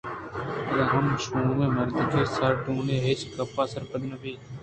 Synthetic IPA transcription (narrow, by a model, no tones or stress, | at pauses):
d̪ãːɦənʃũːmẽːməɾd̪ɪkʰeːsəɾʈũːneːɦɪt͡ʃkəpaːsəɾpəd̪nəbiː